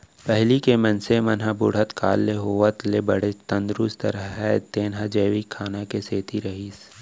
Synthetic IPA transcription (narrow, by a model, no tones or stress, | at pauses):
pɛɦlikemɐnsemɐnɦabʊɽ̤ət̪kʰa̰ːlːeɦoːʋət̪lebɐɽ̤et̪ɐ̃nd̪ɾʊst̪ɐɾəɦɛt̪eːnɦad͡ʒeːʋikʰːaːnakeseːt̪iɾɐɦiːs